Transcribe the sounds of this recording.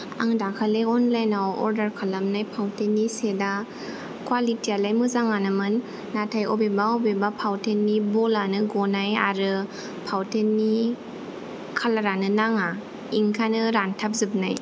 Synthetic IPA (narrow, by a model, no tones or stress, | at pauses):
a̰ŋdakʰaleɔnlajnawɔ̰ɾdəɾkʰalamnajpʰawtʰenːiseda | kwalitialajmɯzaŋanɯmɯnː | atʰajɔbebaɔbebapʰawtʰenːibɔlanɯɡɔnaja̰ɾɯ | pʰawtʰenːi | kʰalaɾanɯnaŋa | iŋkʰanɯɾantʰap̚zɯp̚naj